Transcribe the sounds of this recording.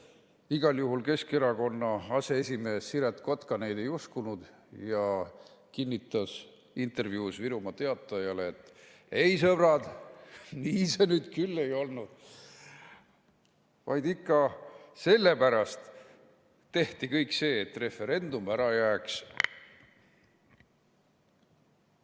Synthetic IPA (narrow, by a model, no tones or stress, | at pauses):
iɡ̥ɑljuɦulke̞ske̞ɾɑko̞nːɑɑse̞esʲime̞ːsːiɾet̪ko̞t̪kɑne̞jd̪e̞juskunud̪ | jɑ | kinʲːit̪ːˑɑs | int̪ˑe̞rvjuːsviɾumɑt̪e̞ɑt̪ːˑɑjɑleːt̪ːˑ | e̞jsɤb̥rɑd̪ | niːse̞nyːd̪̥kylːe̞jo̞lnud̪̥ | vɑ̰jd̪ikːɑse̞lːe̞pæɾɑst̪ː | e̞ht̪ikɤjkse̞ːt̪ːˑre̞fe̞ɾe̞nd̪̥umæɾɑjæːks